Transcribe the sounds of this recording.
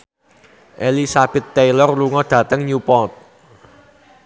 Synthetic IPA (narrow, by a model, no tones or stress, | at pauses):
ʔelisab̥ɛ̤t̪ːejlɔrluŋɔɖ̪̥ä̤t̪əŋɲupɔt̪̚